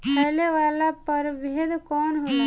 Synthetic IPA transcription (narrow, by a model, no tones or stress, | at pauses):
pəɦleʋalapəɾbed̪kɔːnɦona